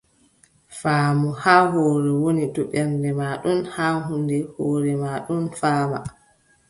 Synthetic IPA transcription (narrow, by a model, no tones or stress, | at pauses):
faːmuhaːɦoːɾɛwonitɔɓɛnndɛmaːɗunhaːɦundɛhoːɾɛmaɗunfaːma̰